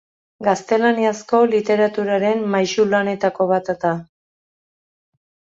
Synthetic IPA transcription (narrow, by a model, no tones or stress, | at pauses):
ɡast̪e̞laniasko̞lit̪e̞ɾat̪uɾaɾe̞mːajʃulane̞t̪ako̞βat̪at̪a